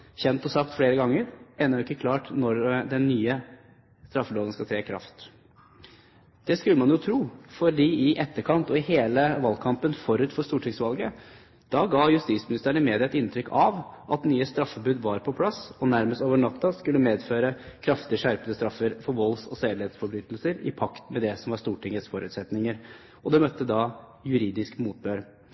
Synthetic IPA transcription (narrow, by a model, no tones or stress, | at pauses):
çɛnt̪ɔsɑk̚t̪fleːɾəɡɑŋːəɾeːnɑɾʊɪkːəkʰlɑːʈnɔɾd̪ɛnːyːə | st̪ɾɑfːəloːən̩skɑt̪ʰɾeːkʰɾɑ̰ft̪ | d̪̥ɛskʉlːəmɑnjʊt̪ʰɾuːfɔɖiːɪʔɛt̪ːəkʰɑnt̪ɔɪheːləʋɑlkʰɑmpənfɔɾʉːt̪fɔʂt̪uːʈʰɪŋsʋɑlɡə | d̪̥ɑɡɑːjʉst̪iːt̪smɪnɪst̪əæɳəmeːd̪ɪɑt̪ɪnt̪ʰɾʏkːʰɑʋ | ʔɑt̪nyːəst̪ɾɑfːəbʉːd̪ʋɑɾpʰɔpʰlɑsɔnæɾməst̪oːʋəɳɑt̪ːɑskʉlːəmeːd̪føːɾəkʰɾɑft̪ɪəʂæɾpəd̪əst̪ɾɑfːəɾfɔɾʋɔlsɔseːd̪leːt̪sfɔɾbɾyːt̪lsəɾɪ̰pʰɑkt̪mɛd̪ɛsɔmʋɑʂst̪uːʈʰɪŋət̪sfɔɾʉ̰ːt̪sɛt̪nɪŋəɾ | ɔd̪ɛmœt̪ːəd̪ɑ | jʉɾiːd̪ɪskmuːt̪̚bøːɾ